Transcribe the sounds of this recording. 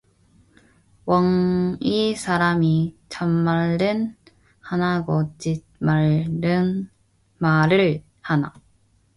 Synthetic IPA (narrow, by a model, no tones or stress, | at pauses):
wʌŋisʰaɾamit͡ɕamːaɭden | hanaɡot͡ɕi | maɭdɯn | maɾɯɭ | hana̰